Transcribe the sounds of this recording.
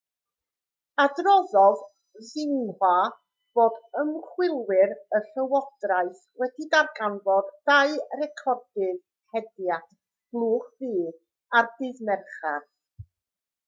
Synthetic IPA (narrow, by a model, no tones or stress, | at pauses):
adrɔðɔð | ðɪnha | b̥oːdəmχwɪlˠwɪɾəɬəwɔd̥raɨθ | wɛdidarɡanvɔdːajrɛkʰɔrdɨð | hɛdjat | b̥lˠuːχviː | ardɪðmɛrχar